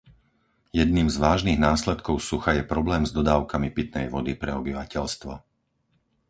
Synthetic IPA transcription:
jɛd̪̚niːmzʋaːʒniɣnaːslɛt̪kɔʊsuxajɛpɾɔblɛːmzd̪ɔd̪aːʊkamipit̪nɛjʋɔd̪ipɾɛɔbiʋacɛʎst̪ʋɔ̰

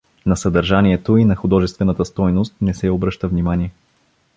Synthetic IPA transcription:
nɐsəd̪ɐɾʒanʲiɛt̪oinɐxʊd̪ɔʒɛst̪vɛnət̪əst̪ɔjnost̪̚nɛsɛobɾɤʃt̪əvnimanʲiɛ

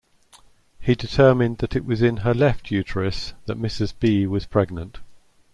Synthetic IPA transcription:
hidɪtʰɜːmɪ̃nðətɪʔwɒzɪ̃nəlɛftʰjʉˑtʰəɹəsðəʔmɪsɪzbiːwɒz̥pʰɹ̥ɛɡ̚nə̃nt

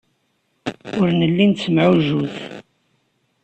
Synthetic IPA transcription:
ʊɾnəlːint̪səmʕuʒuθ

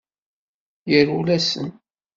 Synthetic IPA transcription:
jəɾulæsə̰n

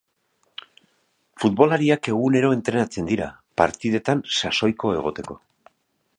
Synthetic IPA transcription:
fut̪βo̞laɾiake̞ɣ̞une̞ɾo̞e̞nt̪ɾe̞nat͡se̞nd̪iɾa̰ | pa̰ɾt̪iðe̞t̪ansaso̞jko̞e̞̰ɣ̞o̞t̪e̞ko̞

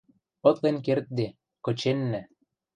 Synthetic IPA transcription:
ɤ̆t̪lenkert̪̚d̪e | kɤ̆t͡ɕenːɘ̆

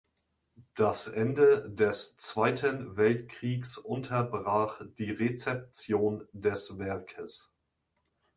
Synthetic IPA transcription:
d̥asʔɛndədɛst͡sv̥aɪtʰənvɛltkʁ̥iːksʔʊntʰɐbʁaːχd̥iːʁet͡sɛp̚t͡sjoːndɛsvɛɐkʰəs

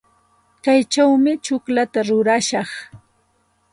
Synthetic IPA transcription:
kajt͡ʃawmɪt͡ʃʊklat̪aɾʊɾaʃɑχ

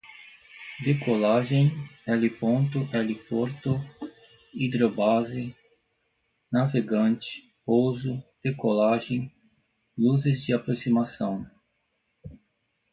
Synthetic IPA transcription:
d̪ekolaʒẽj̃ɛlɪpõnt̪ʊʔɛlɪpoɾt̪ʊ | id̪ɾobazɪ | naveɡɐ̃nt͡ʃɪ̥ | powzʊd̪̥ekolaʒẽj̃ | luzɪzd͡ʒɪapɾosimasɐ̃w̃

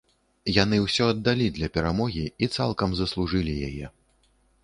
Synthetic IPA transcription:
jan̪ɨwsʲɔɐd̪ːalʲid̪lʲɐpʲɛɾamɔɣʲiit̪sa̰lˠkɐmzɐslˠuʐɨlʲijajɛ̰

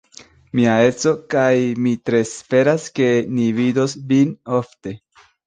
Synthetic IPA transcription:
miae̞t͡so̞kajmitɾe̞sfe̞ɾaske̞nivido̞svino̞fte̞

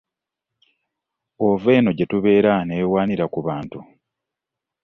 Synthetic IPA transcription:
ove̞ːno̞ɟetuβe̞ːɾanewaːniɾakuβaːntu

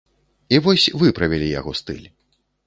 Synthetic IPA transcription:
ivɔsʲvɨpɾɐvʲɛlʲija̰ɣɔst̪ɨ̰lʲ

